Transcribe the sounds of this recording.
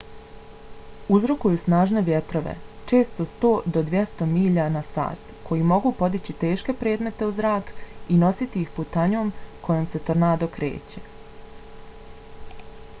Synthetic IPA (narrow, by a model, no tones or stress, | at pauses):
uzɾokujusnaːʒne̞ʋʲjet̪ɾo̞ʋḛt͡ʃe̞ːst̪o̞st̪o̞ːd̪od̪ʋjest̪o̞miːʎaːnasa̰ːt̪kʰo̞jimo̞ɡupo̞d̪it͡ɕit̪e̞ːʃke̞pɾeːd̪me̞t̪e̞uzɾaːkino̞sit̪iixput̪aɲoːmkʰo̞jomse̞t̪oɾnaːd̪o̞kɾḛːt͡ɕe̥